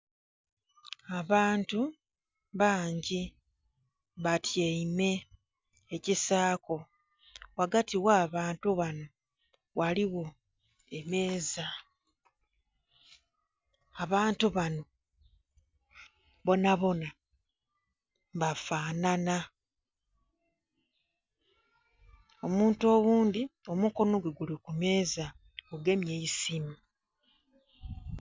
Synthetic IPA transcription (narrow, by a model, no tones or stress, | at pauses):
aβaːntu | βaːɲɟi | βatjeime̞ː | cisaːko̞ | waɡatiwaːβaːntuβano̞ | waliwo̞ | e̞me̞ːza | aβaːntuβano̞ | βo̞naβo̞na | mbafaːnana | omuːnto̞ɣuːnd̪io̞muko̞no̞ɡweɡulikume̞ːza | ɡuɡe̞mje̞isimi